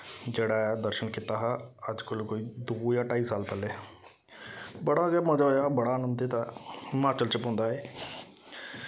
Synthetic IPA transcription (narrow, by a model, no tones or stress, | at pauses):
d͡ʒeːɽaːd̪əɾʃənkit̪aːɦaəd͡ʒkəlkoːiːd̪oːjaːʈaːiːsaːlpɛːleː | bəɽaɡaːmə̃d͡ʒaːjaːbəɽaːnəmd̪eːt̪aɪmaːt͡ʃəlt͡ʃəpɦõːnd̪aːɦɛː